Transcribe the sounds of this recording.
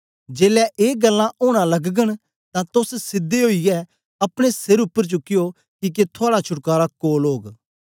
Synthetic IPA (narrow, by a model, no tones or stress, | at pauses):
d͡ʒeːlɛʔeːɡɐlːãʔoːɽ̃ãlɐɡɡəɽ̃ | t̪ãt̪ʊssɪd̪ːeɦoːijɛ | ɐpɽ̃esɪɾʊpːəɾt͡ʃʊkːɪjo | kik̬et̪ʰoaːɽat͡ʃʰʊʈkaːɾakoːlɦoːɡ